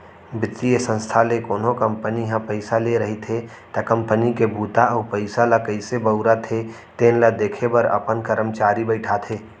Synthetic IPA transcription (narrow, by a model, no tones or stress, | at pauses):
bɪt̪ːiesə̃nst̪ʰalekoːnɦokəmpəniɦãpəɪsaleɾəɦit̪ʰe | t̪akə̃mpənikebʱuːt̪aɔːpəɪsalakəɪsebəʊɾat̪ʰe | t̪eːnlad̪eːkʰebəɾə̰pənkəɾəmt͡ʃaːɾibəɪʈʰat̪ʰeː